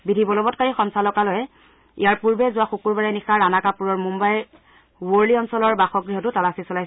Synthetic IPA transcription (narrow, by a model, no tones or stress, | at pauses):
bidʱibɔlɔbɔtkaɹixɔnsalɔkalɔjɛ | ijaɹpuɹbɛzʊwaxukuɹbaɹɛnixaɹanakapuɹɔɹmumbaj | woɹliɔnsɔlɔɹbaxɔɡɹiɦɔtʊtalasisɔlajs